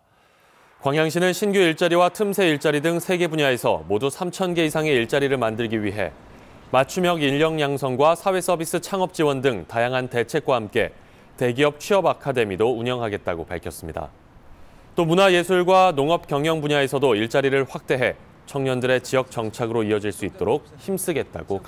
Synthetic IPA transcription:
kwaŋjaŋɕ̬ʰinɯnɕʰinɡjuiɭt͡ɕ͈aɾiwatʰɯmsʰe̞iɭt͡ɕ͈aɾidɯŋsʰe̞ɡe̞buɲae̞sʰʌ̰modusʰamt͡ɕʰʌnɡe̞isʰaŋe̞iɭt͡ɕ͈aɾiɾɯɭmandɯɭɡiwɥiɦe̞̰ | mat͡ɕʰumjʌɡiʎːʌŋɲaŋsʰʌŋɡwasʰawe̞s͈ʌbis͈ɯt͡ɕʰaŋʌp̚t͡ɕ͈iwʌndɯŋtajaŋɦante̞t͡ɕʰe̞k̚k͈wahamk͈e̞̰ | te̞ɡiʌp̚t͡ɕʰɥiʌbakʰade̞midouɲʌŋɦaɡe̞t̚t͈a̰ɡopa̰ɭkʰʌs͈ɯmɲida̰ | t͈omunaje̞sʰuɭɡwanoŋʌp̚k͈jʌŋjʌŋbuɲae̞sʰʌdoiɭt͡ɕ͈aɾiɾɯɭɸwak̚t͈e̞ɦe̞ | t͡ɕʰʌŋɲʌndɯɾe̞t͡ɕiʌk̚t͡ɕʌŋt͡ɕʰaɡɯɾoiʌd͡ʑiɭs͈uit̚t͈oɾok̚çims͈ɯɡe̞t̚t͈a̰ɡoka

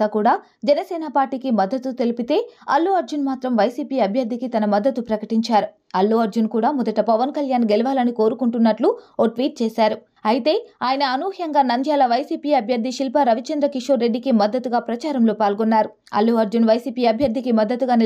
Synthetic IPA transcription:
aːkuːɽaː | d͡ʒɛnɐsɛːnɐpaːɾʈiːkimɐd̪ːɐt̪ut̪e̞lipit̪e̞ːɐlːuːɐɾd͡ʒunmaːt̪ɾɐmʋɐjsiːpiːɐbʱjɐɾd̪ʱikit̪ɐnɐmɐd̪ːɐt̪upɾɐkɐʈiɲt͡ʃaːɾu | ɐlːoːɐɾd͡ʒunkuːɽaːmɔd̪ɐʈɐpɐʋɐnkɐljaːnɡelɐʋaːlɐniko̞ːɾukuɳʈunːɐʈluoːʈʋiːʈ̚t͡ʃeːsaːɾu | ɐjit̪e̞ːaːjɐnɐːnuːhjɐŋɡaːnɐnd̪ʱjaːlɐʋɐjsiːpiːɐbʱjɐɾd̪ʱiʃilpɐɾɐʋit͡ʃɐnd̪ɾɐkiʂoːɾe̞ɖːikimɐd̪ːɐt̪uɡaːpɾɐt͡ʃaːɾɐmloːpaːlɡɔnːaːɾu | ɐ̰lːuːɐɾd͡ʒunʋɐjsiːpiːɐbʱjɐɾd̪ʱikimɐd̪ːɐt̪uɡaːni

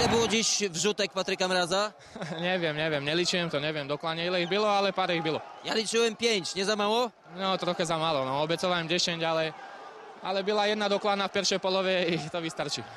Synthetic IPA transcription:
ɛbuɔd͡ʑiʃvʒut̪ɛk̚pat̪ɾikamɾaːza | ɲɛʋɪɛmɲɛʋɪɛmɲɛlit͡ʃujɛmt̪ɔɲɛʋjɛmd̪ɔklaːɲɛilɛiɣbilɔalɛpaɾɛiɣbilɔ | jalit͡ʃujɛmpjɛɲcɲɛzamalɔ | nɔt̪ɾɔxɛzamalɔnɔɔbɛt͡sɔʋaɛmɟɛʃɛɲɟalɛ | a̰lɛbilajɛd̪nad̪ɔklaːd̪nafpɛɾʃɛjpɔlɔʋɛit̪ɔʋist̪aɾt͡ʃi

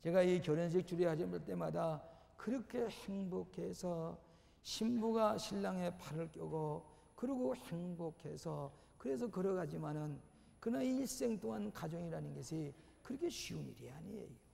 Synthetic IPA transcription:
t͡ɕe̞ɡaikjʌɾʌnɕ̬ʰik̚t͡ɕ͈uɾiɦad͡ʑimaɭt͈e̞mada | kɯɾʌkʰe̞heŋbokʰe̞sʰʌ | ɕʰimbuɡaɕʰiɭːaŋɦe̞pʰaɾɯɭk͈jʌɡo | kɯɾiɡoheŋbokʰe̞sʰʌ | kɯɾe̞s̬ʰʌkɯɾʌɡad͡ʑimanɯn | kɯnaiɭs͈e̞ŋt͈oŋankad͡ʑʌŋiɾanɯnɡʌsʰi | kɯɾʌkʰe̞ɕʰiunḭɾiɦa̰ɲiḛjo

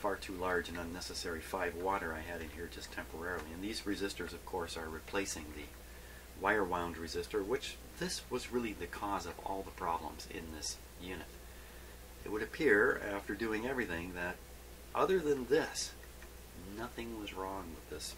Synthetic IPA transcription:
fɑɹtʰʉlɑɹd͡ʒɨ̃nʌ̃nːɛsɨsɛɹifaɪvwɔɾə˞aɪɨɾɨ̃nhiɹd͡ʒʌstʰɛ̃mpʰə˞ɛɹl̩ˠiɨ̃nðizɹɨzɪstə˞zʌv̥kʰɔɹsə˞ɹipʰl̥eɪsɪ̃ŋðɨ̰ | waɪə˞wãʊ̃ndɹɨzɪstə˞wɨt͡ʃ | ðɪswʌzɹɪlˠiðɨkʰɔzʌvɔ̰lˠðəpʰɹ̥ɑblə̰̃mzɪ̰̃nðɪs | jʉnɨɾ | ʔɨ̰t̚wəɾɨpʰɪɹæftə˞dʉɪ̃ŋɛvɹiθɪ̃ŋðɨɾ | ʔʌðə˞ðɨ̃nðɪs | nʌθɪ̃ŋwʌzɹɔ̃ŋwəðɪs

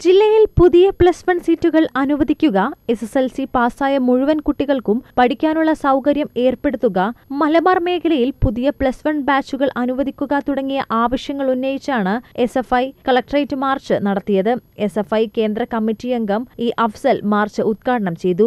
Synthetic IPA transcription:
d͡ʑilːɐjilpuðijɐpɭɐsfɐɳɖsiːtːuɣɐɭɐnuʋɐðikʲːuɣɐe̞seselsipaːsaːjɐmuɻuʋɐnkuʈːiɣɐɭkumpɐɽikʲːaːnuɭːɐsɐwkɐɾjɐme̞ːrpe̞ɽut̪ːuɣɐːɐlɐmɐrme̞ːkʰɐlɐjilpuðijɐpɭɐsfɐɳɖbaːt͡ɕːuɣɐɭʔɐnuʋɐðikʲːuɣɐt̪uɽɐŋːijɐʔaːʋɐʂjɐŋːɐɭunːejit͡ɕːaːɳɨe̞sefɐjkɐɭɐk̚ʈɐrɐjtːɨmaːrt͡ɕɨnɐɽɐt̪ːijɐðɨe̞sefɐjke̞ːnd̪rɐkɐmːitːijeŋɡɐmiːʔɐfsɐlmaːrt͡ɕɨud̪̚kaːɽɐɳɐmt͡ɕe̞jt̪u

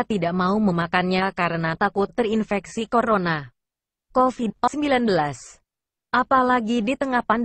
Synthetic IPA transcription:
t̪idaʔmauməmakanɲakaɾənat̪akʊt̪ːərinfɛksikoɾona | kofid̚səmbilanbəlas | ʔapalaɡidit̪əŋahpand

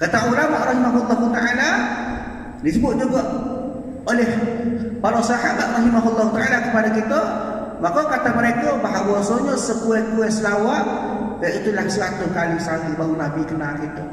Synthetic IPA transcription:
kət̪aulamaʔɾɑɦimaɦulːɔɦut̪aʔala | disəbʊt̪̚d͡ʒuɡɔʔ | olɛhpaɾosaɦabaʔ̪rɑɦimaɦulːɔɦut̪aʔalakəpadakit̪əmakokat̪aməɾekɔbaɦaɡɔsoɲɔsəkuɛt̪̚kuɛt̪səlawat̪̚ | baʔit̪ulahsəlat̪ʊnkalɪsalibaunabikənakit̪ə

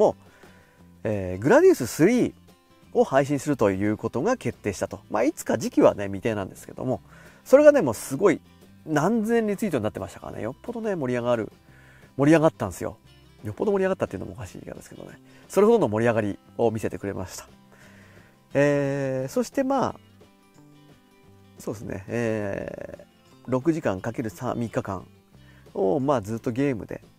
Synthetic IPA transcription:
mo̞ | eːɡɯ̟ɾad̪ʲiːsɨsɨɾʲiː | ohaiɕ̬ĩɰ̃sɨɾɯ̟t̪o̞jɯ̟ːko̞t̪o̞ɡake̞t̪ːe̞ːɕi̥t̪at̪o̞ma̰it͡sɨ̥kad͡ʑikʲiβa̰ne̞mʲit̪e̞ːnãnd̪e̞sɨ̥ke̞̰d̪o̞̰mo̞so̞ɾe̞ɡane̞mo̞ːsɨɡo̞i | nãnd͡zẽ̞ɲ̟ːit͡sɨit̪o̞nat̪ːe̞maɕi̥t̪aka̰ɾa̰nḛjo̞pːo̞d̪o̞ne̞mo̞ɾʲiaɡaɾɯ̟̰ | mo̞ɾʲiaɡat̪ːãnesɨjo̰ | jo̞pːo̞d̪o̞moɾʲiaɣat̪ːat̪ːeiɯ̟nomookaɕḭːka̰d̪e̞sɨ̥ked̪o̰nḛ | so̞ɾe̞ɦod̪o̞no̞mo̞ɾʲiaɡaɾʲi | o̞mʲise̞t̪e̞kɯ̟ɾe̞̰mʔa̰ɕi̥t̪ḁ | eːso̞ɕi̥t̪e̞maː | soːd̪esɨnʔḛeː | ɾo̞k̬ɯ̟ʑikãŋkake̞ɾɯ̟sã̰mʲikːakã̰ɴ | omaːzɨːt̪ːo̞ɡʲe̞ːmɯ̟̰d̪e̞̰

